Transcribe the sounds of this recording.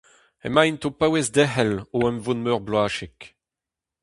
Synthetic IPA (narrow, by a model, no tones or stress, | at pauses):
ḛmajnt̪opawezd̪ɛɦɛloɛmvunmøʁblwaːʃek